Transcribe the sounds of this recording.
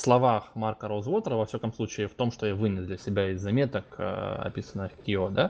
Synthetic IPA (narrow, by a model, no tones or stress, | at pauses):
fslˠɐvaxmarkəɾozvo̞t̪ɾəvɐfsʲakəmslˠut͡ɕɪːft̪o̞mʂt̪o̞javɨnʲɪzd̪lʲɐsʲɪbʲaɪzːɐmʲe̞t̪əkə̰ɐ̰pʲisənːɨxkʲɪod̪a